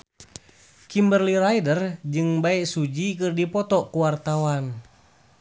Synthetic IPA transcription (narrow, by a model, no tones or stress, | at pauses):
kimbərliɾajdərd͡ʒɨŋbaɛʔsud͡ʒikɨrdipɔt̪ɔkuwart̪awan